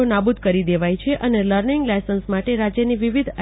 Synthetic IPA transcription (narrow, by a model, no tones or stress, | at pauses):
onabud̪̚ʱkəɾid̪eʋajt͡ʃʰeʔəneləɾniŋɡlajsənsmaʈeɾad͡ʒjəniʋiʋid̪ʱə